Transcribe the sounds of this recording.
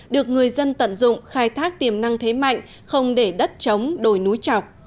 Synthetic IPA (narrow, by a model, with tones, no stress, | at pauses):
ɗɨ˨˩ək̚ŋɨ˨˩əjzə˧nt̪ə̰˧˨nzʊ̰˧˨ŋ͡mxaː˧jt̪ʰaː˦˥k̚t̪i˨˩əmna˧ŋt̪ʰe˨˦ma̰˧˨jŋ̟ | xə˧wŋ͡mɗe˧˩ɗə˦˥t̚t͡ɕə˨˦wŋ͡mɗo˧˩jnu˨˦jt͡ɕɔ˨˩wk͡p̚